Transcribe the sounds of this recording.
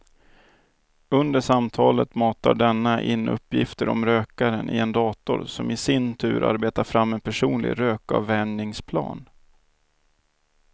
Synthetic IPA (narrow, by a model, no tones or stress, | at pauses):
ɵnd̪əʂamt̪ʰɑːlət̪mɑːt̪aɖɛnːaʔɪnːɵ̰pːjɪft̪əɾɔ̰mɾøːkaɾənʔɪɛnd̪ɑːt̪ʊɾsɔmɪsɪnt̪ʰʉ̟ːɾʔa̰ɾbeːt̪aɾfɾamːɛnpʰæʂuːnlɪ̰ɡɾøːka̰vːɛɳɪŋspʰlɑ̰ːn